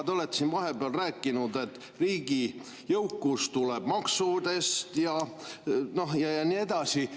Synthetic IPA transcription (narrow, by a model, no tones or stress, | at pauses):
d̪o̞le̞t̪ːsinvɑɦe̞beɑlræːkːˑinud̪e̞t̪ː | riːɡ̥i | jɤwkːust̪uleb̥mɑksud̪e̞st̪jɑ | no̞hjɑjɑniːe̞d̪̥ɑsi